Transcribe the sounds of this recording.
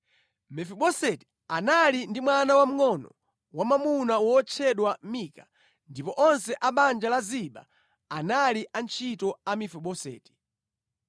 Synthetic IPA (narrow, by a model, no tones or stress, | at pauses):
mɛfɛɓɔsɛti̥ | analindimwanawam̩ŋɔnɔ̰ | wamamunawɔt͡ʃʰɛɗwamika | ndipɔʔɔnsɛʔaɓand͡ʒalaziɓa̰ | analiʔant͡ʃʰitɔamifɛɓɔsɛ̰ːti̥